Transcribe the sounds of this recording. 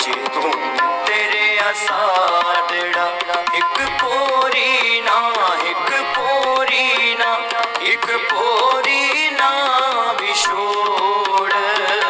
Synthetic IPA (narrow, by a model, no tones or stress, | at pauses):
t͡ʃed̪o | t̪eːɾeɐsad̪eɽaːɦɪkkoɾinaɦɪkpoɾinaː | ɦɪkpoɾinabʱiʃo | ɽ